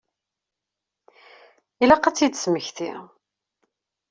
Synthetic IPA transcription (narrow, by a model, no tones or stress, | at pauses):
ilæqæt͡sːid̪sməçθḭ